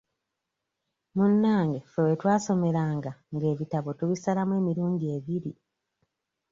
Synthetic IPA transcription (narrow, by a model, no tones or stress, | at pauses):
munːaːŋɡefewetwaːso̞me̞ɾaːŋɡaŋɡe̞ːβitaβo̞tuβisalamwe̞ːmiɾuːɲɟie̞βiɾi